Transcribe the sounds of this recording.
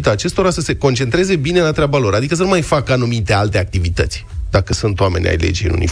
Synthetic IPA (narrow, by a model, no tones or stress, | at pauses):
t̪aːt͡ʃe̞st̪o̞ɾasəse̞ko̞nt͡ʃe̞nt̪ɾe̞ze̞bine̞lat̪ɾʲabalo̞ɾad̪ikəs̬ənumajfakanumit̪e̞alt̪e̞ak̚t̪ivit̪ə̰t̪sʲd̪̥akəsunt̪owame̞nʲa̰jlḛd͡ʒij̰nṵnḭ